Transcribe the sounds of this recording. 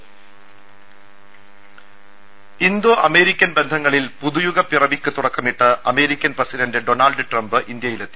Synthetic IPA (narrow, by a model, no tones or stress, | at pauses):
ind̪oːʔɐme̞ːɾikʲːɐnbe̞nd̪ʱɐŋːɐɭilpuðujuɣɐpirɐʋikʲːɨt̪uɽɐkːɐmiʈːɨɐme̞ːɾikʲːɐnprɐsidɐndɨɖo̞naːlɖɨʈrɐmbɨʔind̪jɐjilet̪ːi